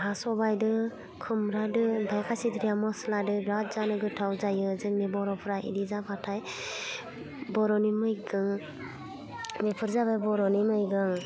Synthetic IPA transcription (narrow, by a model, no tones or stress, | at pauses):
ɦasɔbajdɯ | kʰɯmɾadɯbʱajkʰasidɾijamɔsladɯɡɾat̚d͡ʒanɯɡɯtʰawzajɯzɯŋnebɔɾɔpʰɯɾaʔḭdizabatʰaj | bɔɾɔnimɯjɡɯŋ | mepʰɯɾzabajbɔɾɔnimɯjɡɯŋ